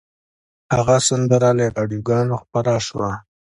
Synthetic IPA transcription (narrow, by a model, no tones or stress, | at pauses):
haɣasand̪əɾaleɾɑɖjoɡɑnoxpaɾaʃwa̰